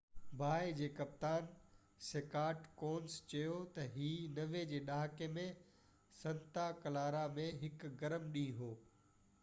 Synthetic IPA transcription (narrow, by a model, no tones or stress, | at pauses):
bʱaːed͡ʑeːkɐp̚t̪aːn | seːkaːɾʈkoːnst͡ɕɐjot̪ɐɦiːnɐʋed͡ʑeːɗaːɦkemẽ | sɐ̃nt̪akɐlaːɾamẽɦɪkɡɐɾəmɗĩːɦoː